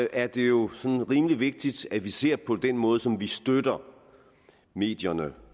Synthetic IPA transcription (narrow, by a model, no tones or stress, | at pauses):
ʔæɐd̥e̝jo̝sɒ̽nnʁiːmliʋe̝ɡ̥̚d̥id̥æʋise̝ɐ̰pʰɒ̽d̥enmɔ̽ːðˠsɒ̽mʋisd̥ød̥ɐ | me̝̰ːd̥jɐnə